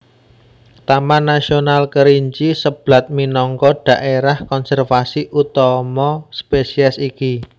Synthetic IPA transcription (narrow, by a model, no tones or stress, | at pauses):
t̪amanasionalkəɾiɲt͡ʃisəb̥la̤t̪̚minɔŋkɔɖ̥a̤ʔeɾahkɔnsɛrfasiʔut̪ɔmɔspesiɛsiki